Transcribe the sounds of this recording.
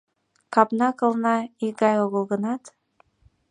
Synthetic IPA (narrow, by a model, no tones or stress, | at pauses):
kɑpnɑkɤ̆lˠnɑiɡɑjoɣɤ̆lˠɡɤ̆nɑt̪